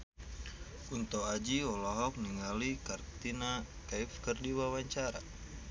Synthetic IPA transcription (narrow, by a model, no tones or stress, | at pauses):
unt̪ɔad͡ʒiɔlɔɦɔk̚niŋalikart̪ina | kaifkərdiwawaɲt͡ʃaɾa̰